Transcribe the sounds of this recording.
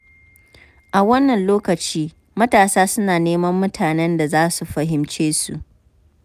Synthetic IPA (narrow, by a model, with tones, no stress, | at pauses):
ʔa˨wɐ˦nːɐ˨nloː˦kɐ˨t͡ʃiː˦ | mɐ˦taː˨saː˦sʊ˦naː˨neː˦mɐ˦mːʊ˦tʰaː˨nɛ˦nda˨zaː˦su˨ɸɐ˨ɦɪ˨mt͡ʃeː˦sṵ˨ʔ